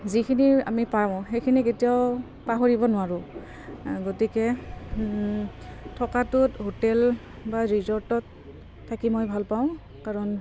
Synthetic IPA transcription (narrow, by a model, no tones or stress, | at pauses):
zikʰinia̰mipaɹaʊ̃xejkʰiniketiaʊ | paɦoɹibɔnʊwaɹʊ | ɡotikɛ | tʰɔkatʊtɦotɛl | baɹizɔɹtɔtʰː | akimojbʱalpaʊ̃ | kaɹɔn